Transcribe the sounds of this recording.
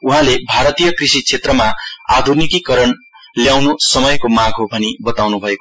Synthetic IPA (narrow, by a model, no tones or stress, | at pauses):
uɦãlebʱaɾʌt̪ijʌkrisit͡sʰet̪rʌmaa̰d̪ʱurnikikʌɾʌn | ljawnusʌmʌjkomãɡɦobʱʌnibʌt̪awnubʱʌeko